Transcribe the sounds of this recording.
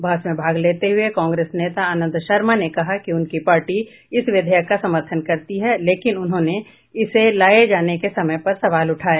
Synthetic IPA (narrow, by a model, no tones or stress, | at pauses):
bʱaːsmẽbʱaːɡleːt̪eɦʊekãːŋɡɾeːsneːt̪aaːnə̃nd̪ʃɐɾmanekɐɦakiʊnkipaːɾʈi | ɪsʋɪd̪ʱəjəkːasɐməɾt̪ʰənkɐɾt̪iɦɛleːkɪnʊnɦõːne | ɪselaːed͡ʒaːnekesɐməjpɐɾsɐʋaːlʊʈʰaːeː